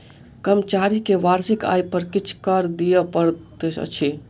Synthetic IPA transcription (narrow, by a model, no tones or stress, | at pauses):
kəmt͡ʃaɾikeʋaɾsika̰jpəɾkit͡ʃʰkəɾd̪ijəpəɾt̪ə̰t͡ʃʰi